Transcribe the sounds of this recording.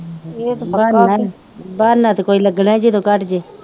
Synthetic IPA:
et̪ːa | baːɾnaːt̪ːkoːiːləɡnãːd͡ʒeːt̪õːkəʈd͡ʒeː

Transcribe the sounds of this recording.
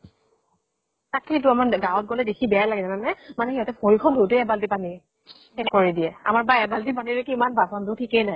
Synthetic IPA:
takʰːejt̬ʊamaɡawɔt̚ɡɔlɛdekʰibɛjalaɡɛzananɛmanɛhiɦɔtɛpʰoɹkʰɔndʱoteɛbaltipani | hetkoɹidiɛa̰maɹbaɛbaltipaniɹekiimanbasɔndʊtʰikɛjnaj

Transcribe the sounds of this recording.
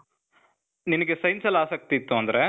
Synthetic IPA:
ninɐɡesɐjnsɐlːaːsɐk̚t̪iːt̪ːuɐnd̪ɐɾe

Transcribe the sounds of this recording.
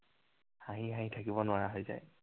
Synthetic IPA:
haɦiɦãɦitʰakibɔnʊaɹaɦojza̰j

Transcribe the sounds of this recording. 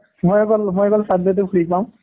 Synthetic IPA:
mojɔkɔlmɔjɔkɔlsadɔt̬ʊkʰulipaʊ̃

